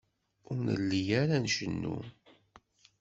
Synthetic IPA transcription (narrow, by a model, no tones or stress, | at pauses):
ʊɾnə̰lːijæɾænʃənːṵ